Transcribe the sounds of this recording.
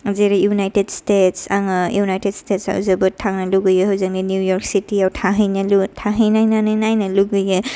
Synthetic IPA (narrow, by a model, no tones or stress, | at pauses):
zeɾijunajtedstetsaŋɯjunajted̚stetsa̰wzɯbɯtʰaŋnɐluɡɯjɯɦɯwzɯŋninjujɔɾk̚sitiawtʰaɦɯjnɐlutʰaɦɯjnajnanɯjnajnɐluɡɯjɯ